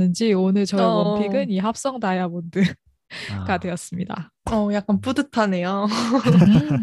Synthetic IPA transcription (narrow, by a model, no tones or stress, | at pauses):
nɯnd͡ʑionɯɭt͡ɕʌɾʌʌmpʰiɡɯniɦap̚s͈ʌŋdajabondɯ | ɡ̥adwe̞jʌs͈ɯmɲida̰ | ʌjak͈anp͈udɯtʰane̞jo